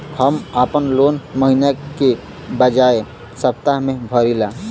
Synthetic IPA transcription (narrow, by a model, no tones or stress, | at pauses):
həməpənloːnməɦinake | bəd͡ʒaːe | səp̚t̪aɦmẽbʱəɾila